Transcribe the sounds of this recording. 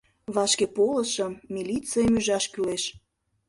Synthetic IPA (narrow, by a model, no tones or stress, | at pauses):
βɑʃkepolə̆ʃə̆mːilit͡sejəmyʒɑʃkyleʃ